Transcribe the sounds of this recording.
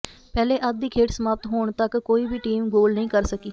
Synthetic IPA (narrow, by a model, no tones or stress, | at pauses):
pɛːleːʔət̪̚d̪iːkʰeːʈsəmaːp̚t̪ɦoːɳ̃t̪əkːoːiːbiːʈiːmɡoːlnəĩːkəɾsəkiː